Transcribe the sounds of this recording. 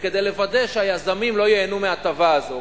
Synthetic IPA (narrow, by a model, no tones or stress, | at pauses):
ked̪e̞jle̞vad̪eʃeajazamimlo̞jeenumeat̪avaːzo̞